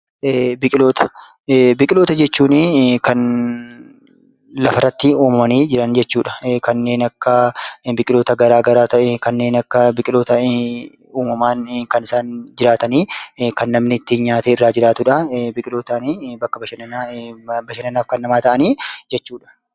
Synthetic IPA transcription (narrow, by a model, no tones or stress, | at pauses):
bɪkʼɪlo̞ːt̪ɐ̥ | bɪkʼɪlo̞ːt̪ɐd͡ʒɛt͡ʃːuːnɪkɐn | lɐfɐrɐt̪ːɪuːmɐmɐniːd͡ʒɪɾɐnd͡ʒɛt͡ʃːuːᶑɐ̥kɐnːe̞ːnɐkːɐbɪkʼɪlo̞ːt̪ɐɡɐɾaːɡɐɾaːt̪ɐkɐnːe̞ːnɐkːɐbɪkʼɪlo̞ːt̪ɐ | uːmɐmaːnkɐnɪsaːnd͡ʒɪɾaːt̪ɐniːkɐnːɐmnɪt̪ːiɲaːt̪eːɪrːaːd͡ʒɪɾaːt̪ʊᶑɐbɪkʼɪloːt̪ɐniːbɐkːɐbɐʃɐnɐnː | bɐʃɐnɐnaːfkɐnːɐmaːt̪ɐʔɐniːd͡ʒɛt͡ʃːuːᶑɐ̥